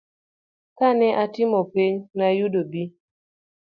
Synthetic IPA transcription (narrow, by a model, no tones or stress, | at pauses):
kanɛʔatɪmɔpiɲnajudobi